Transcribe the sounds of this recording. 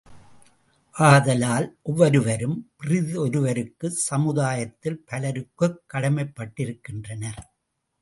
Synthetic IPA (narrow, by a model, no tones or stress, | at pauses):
ʔaːðɐlaːlʔɔʋːɐɾɯʋɐɾɯmpɪrɪðɯɔɾɯʋɐɾɯkːɯsɐmɯðaːjɐt̪ːɪlpɐlɐɾɯkːɯkːɐɽɐmɐɪpːɐʈːɪɾɯkːɪndrɐnɐɾ